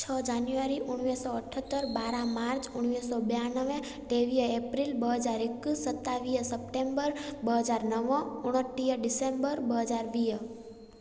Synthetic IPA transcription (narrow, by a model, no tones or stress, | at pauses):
t͡ʃʰəd͡ʒanjuʋəɾiʔuɽ̃ʋisɔəʈʰət̪ːəɾbaɾãmaɾt͡ʃʰuɳ̃ʋisɔbeanəʋẽ | ʈeʋijəepɾilbəɦəd͡ʒaɾekːsət̪ːaʋijəsəpʈembəɾbəɦəd͡ʒaɾnəʋɔ̃uɽ̃əʈːijəɖisembəɾbəɦəd͡ʒaɾbijə